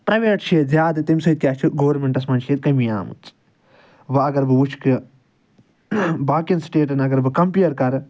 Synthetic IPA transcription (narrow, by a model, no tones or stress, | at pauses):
pɾɐʋeːʈʃeːt̪zjaːd̪ɨt̪imsɐjt̪̚kʲjaːt͡ʃʰiɡoːʋɐɾmeɳʈɐsmɐnʃeːt̪̚kɐmija̰ːmɨ̰t͡s | ʋɐɐɡɐɾbɨʋut͡ʃʰkɨ | baːkɐnsʈeːʈɐnɐɡɐɾbɨkɐmpiɐɾkɐɾ